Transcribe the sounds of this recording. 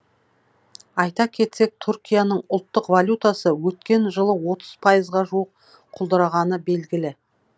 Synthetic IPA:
ɑjt̪ɑkʲʰe̞t̪se̞k̚t̪ʰʊɾkʲijanəɴʊlˠt̪ːəqvalʲjut̪asəwɵt̪kʲe̞nʒəlˠəwo̞t̪ʰəz̥pʰajəzʁɑʒuwəq̚ | qʰːʊlˠd̪əɾɑʁɑnəbe̞lɡʲɪlɪ

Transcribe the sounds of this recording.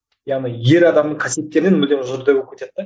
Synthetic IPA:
jɑʁnijje̞ɾɑd̪ɑmd̪əɴŋkʰasje̞t̪ːe̞ɾɪnenmɪld̪emʊzoɾd̪ebop̚kʲet̪ed̪ːe

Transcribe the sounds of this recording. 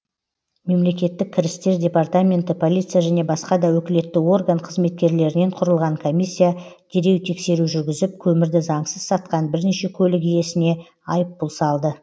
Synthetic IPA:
me̞mle̞kʲe̞t̪ːɪk̚ʲʰːɪɾɪst̪e̞ɾd̪ʲe̞part̪amʲe̞nt̪ɪpʰo̞lʲijt̪sɨjaʒæne̞bɑsqɑd̪ɑwɵkʲɪle̞t̪ːɪwo̞rɡəɴqʰəzme̞t̪̚kʲe̞ɾle̞ɾɪne̞ɴqʰʊɾəlˠʁɑɴkʰo̞mʲijsʲːijad̪̥e̞ɾe̞wt̪ʰe̞kse̞ɾuʒʏɾɡʲɪzɪp̚kʲʰɵmɪɾd̪ɪzɑɴsəz̥sɑt̪qɑnbɪɾne̞ʃe̞kʲʰɵlɪkije̞sɪne̞ | ɑjəp̚bʊlˠsɑlˠd̪ə

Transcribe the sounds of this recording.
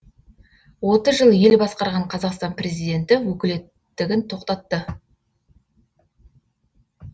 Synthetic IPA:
wo̞t̪əzʒəlˠje̞lbɑsqɑɾʁɑɴqʰɑzɑqst̪ɑnpre̞zijd̪e̞nt̪ɪwɵkʲɪle̞t̪ːɪɡʲɪnt̪ʰo̞qt̪ɑt̪ːə

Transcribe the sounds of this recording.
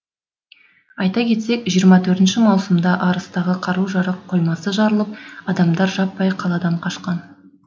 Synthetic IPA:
ɑjt̪ɑkʲʰe̞t̪se̞kʒijəɾmɑt̪ʰɵɾt̪ɪnʃɪmɑwsəmd̪ɑʔɑɾəst̪ɑʁəqʰɑɾuʒɑɾəq̚ʰːo̞jmɑsəʒɑɾəlˠəp̚ɑd̪ɑmd̪ɑɾʒɑpːɑjqʰɑlˠɑd̪ɑɴqʰɑʃqɑn

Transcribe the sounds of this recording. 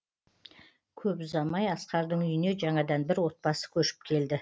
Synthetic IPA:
kʲʰɵpzɑmɑjɑsqɑɾd̪əɴʏjɪne̞ʒɑɴɑd̪ɑnbɪɾwo̞t̪̚pɑsə̥kʲʰɵʃɪ̥p̚kʲʰe̞ld̪ɪ

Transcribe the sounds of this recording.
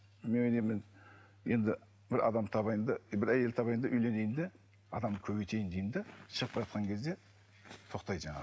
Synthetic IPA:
me̞nojnejmɪn | je̞nd̪ɪ | bɪɾɑ̰d̪ɑmt̪ʰɑβɑjnd̪əbɪɾæje̞lɪt̪ʰɑβɑjnd̪əʔʏjle̞ne̞jɪnd̪ɪ | ɑd̪ɑmkʲʰɵbejt̪ʰe̞jɪnd̪ejɪnd̪ɪʃəʁəpːʒɑt̪̚qʰɑŋkʲʰe̞zd̪e̞ | t̪ʰo̞qt̪ɑjʒɑɴɑ̰

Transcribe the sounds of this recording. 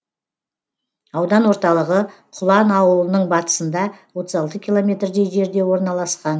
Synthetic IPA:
ɑwd̪ɑnwoɾt̪ɑlˠəʁəqʰʊlˠɑnɑwəlˠənəɴbɑt̪ə̥sənd̪ɑwo̞t̪əzɑlˠt̪əkʲʰilˠo̞mʲe̞t̪rd̪e̞jʒe̞ɾd̪e̞wo̞ɾnɑlˠɑsqɑn

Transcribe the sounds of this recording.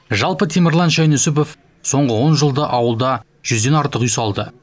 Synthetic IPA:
ʒɑlˠpət̪ʰemɪɾlˠɑnʃɑjnɵsɪp̬o̞f | so̞ɴʁəwo̞nʒəlˠd̪əʔɑwəlˠd̪ɑ | ʒ̥ʏzd̪e̞nɑɾt̪əqyjsɑlˠd̪ə

